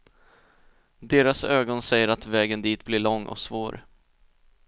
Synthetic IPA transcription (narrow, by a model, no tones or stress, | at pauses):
d̪eːɾasøːɡɔnsɛjːəɾat̪vɛːɡənd̪iːt̪blɪɭɔŋːʔɔ̰ksvoːɾ